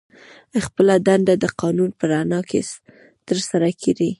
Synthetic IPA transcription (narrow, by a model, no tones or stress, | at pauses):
xpəlad̪and̪ad̪əqɑnunpəɾanɑkes | t̪əɾsaɾakʰeɾi